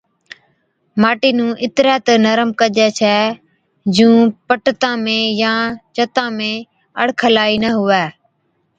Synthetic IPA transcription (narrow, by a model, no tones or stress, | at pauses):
maːʈiːnũːʔɪt̪ɾɛːt̪ənəɾəmkəʄɛːt͡ʃʰɛː | d͡ʒũːpəʈt̪ãːmẽːjãːt͡ʃət̪ãːmẽː | əɽkʰəlaːiːnəɦʊʋɛː